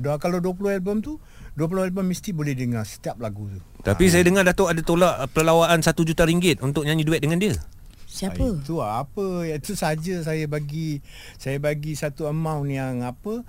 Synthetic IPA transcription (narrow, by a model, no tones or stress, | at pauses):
dakaladuəplohɛlbəmt̪u | duəp̬ulohɛlbəmːist̪ibolɛhdəŋarsə̥t̪iap̚laɡut̪u | t̪apis̬ajadəŋardat̪aʔadat̪olaʔpələlawaʔansat̪ud͡ʒut̪aɾiŋɡɪt̪̚unt̪ʊk̚ɲaɲiduɛt̪̚dəŋandiə | siapət̪uaapəjait̪usəɦad͡ʒəsajəbaɡi | sajabaɡisat̪uəmãwnijaŋapə